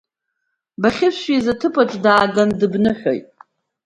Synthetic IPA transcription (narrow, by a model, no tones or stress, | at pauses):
baχʲɪsʃizatʰɨpʰaʈ͡ʂʼdaːɡandɨbnɨħʲᶣo̰jtʼ